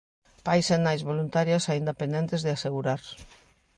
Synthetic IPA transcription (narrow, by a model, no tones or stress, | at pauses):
pajsenajzβolunt̪aɾjasaind̪apẽnd̪ɛnt̪ezðɪaseɣuɾaɾ